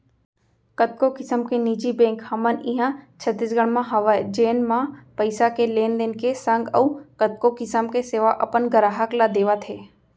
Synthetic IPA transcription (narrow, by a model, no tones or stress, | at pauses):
kət̪̚kokɪsəmkeniːd͡ʒibẽːŋkhɐmənĩɦãt͡ʃʰət̪ɪsɡəɽ̃mãɦɐʋad͡ʒeːnmãpəɪsakeleːnd̪ɪnkesə̃ŋɡəũkət̪̚kokɪsəmkeseːʋaʔɐpənɡəɾaːɦəklad̪eːʋat̪ʰeː